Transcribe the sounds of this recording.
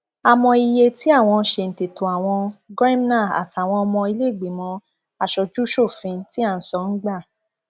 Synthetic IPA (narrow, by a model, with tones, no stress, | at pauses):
a˧mɔ̃˧i˧je˧ti˦a˦˨w̃ɔ̃˧˦ʃe˧n̩˨te˨to˨a˨w̃ɔ̃˧ɡɾa˦m˦nã˦˨a̰˨ta˨w̃ɔ̃˧ɔ˧mɔ̃˧i˧le˦˨ɡ͡be˨mɔ̃˧ | a˧ʃɔ˧d͡ʒu˦ʃo˦˨fĩ˧˦ti˦a˦˧n̩˨˦sɔ˦n̩˦ɡ͡ba˦˨